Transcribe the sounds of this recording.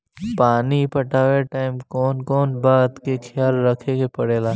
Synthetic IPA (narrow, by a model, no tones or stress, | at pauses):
paːnipɐʈaːʋeʈaːɪmkɔːnkɔːnbaːt̪kexʰɪjaːlɾɐkʰeɡepɐɽeːlaː